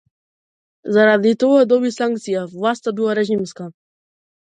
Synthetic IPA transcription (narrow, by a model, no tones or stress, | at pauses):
zaɾad̪it̪ɔɡad̪ɔbisaŋkt̪sijavlˠast̪abilˠaɾɛʒimska